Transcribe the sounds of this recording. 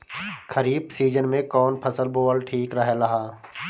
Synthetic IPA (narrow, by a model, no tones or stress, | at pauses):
kʰəɾiːbsiːd͡ʒənmẽkɔːnpʰəsəlboːəlʈʰiːkɾəɦelɐɦaː